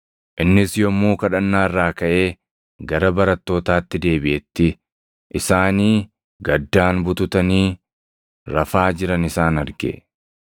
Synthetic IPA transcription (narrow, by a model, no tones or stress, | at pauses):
ʔɪnːɪsjɔmːoːkɐᶑɐnːaːrːaːkɐʔe̞ː | ɡɐɾɐbɐɾɐt̪ːo̞ːt̪aːt̪ːɪd̪e̞ːbɪʔɛt̪ːɪ | ʔɪsaːniː | ɡɐd̪ːaːnbʊt̪ʊt̪ɐniː | ɾɐfaːd͡ʒɪɾɐnɪsaːnɐɾɡɛ̰